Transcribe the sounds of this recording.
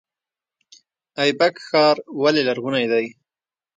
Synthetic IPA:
ajbakxɑːɾwalelaɾɣunajd̪aj

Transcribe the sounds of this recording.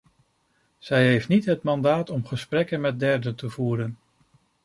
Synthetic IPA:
z̥ɛjɦejftnitɦətmɑndaːtɔmχəsprɛkənmɛt̚dɛɹdətəvuːɾən

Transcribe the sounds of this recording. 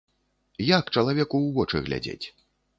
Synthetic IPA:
jakt͡ʂɐlˠavʲɛkuwvɔt͡ʂɨ̰ɣlʲa̰d͡zʲḛt͡sʲ

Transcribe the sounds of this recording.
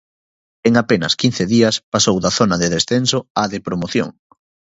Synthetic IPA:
eŋapenɐ̰skin̟θeðiɐspasowðɐθonɐðeðesθensoaðepɾomoθjo̰ŋ

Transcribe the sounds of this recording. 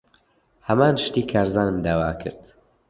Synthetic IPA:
hɐmaːnʃt̪iːkʰaːɾzaːnɨmd̪aːwaːkʰɨ̰ɾd̪

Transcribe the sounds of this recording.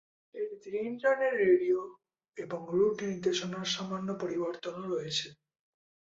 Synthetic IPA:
eʈid̪ɾinʈɾaneʈɾeɖio | eboŋɾuʈnid̪eʃonaɾʃamanːopoɾiboɾt̪onoɾoet͡ɕʰe

